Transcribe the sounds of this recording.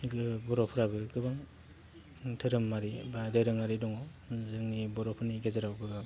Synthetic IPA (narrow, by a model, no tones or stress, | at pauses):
ɡɯbɔɾɔpʰɯɾabɯɡɯbaŋ | tʰɯɾɯmːaɾibadeɾɯŋaɾidɔŋɔ | zɯŋnibɔɾɔpʰɯniɡezaɾawbɯɡa